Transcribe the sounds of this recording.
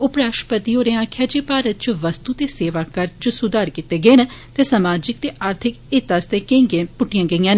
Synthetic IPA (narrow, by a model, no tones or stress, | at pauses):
ʊpɾaːʃpət̪iːɦoːɾẽːãːkʰːjaːd͡ʒeːpaːɾət̪̚t͡ʃʋəst̪uːt̪eːseːʋaːkəɾt͡ʃəsʊd̪aːɾkit̪eːɡeːnt̪eːsəmaːd͡ʒɪkt̪eːʔaːɾt̪ʰɪkɪt̪ːaːst̪eːkẽːŋɡẽːpʊʈːɪjãːɡəiːãːn